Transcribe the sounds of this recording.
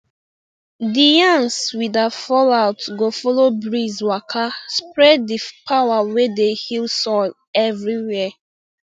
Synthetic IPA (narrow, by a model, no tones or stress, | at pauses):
dijãnswidafɔlaʊtɡofɔlobɹizwakʰaspɹɛddipʰawawedehilsɔl | ɛvɹiwɛ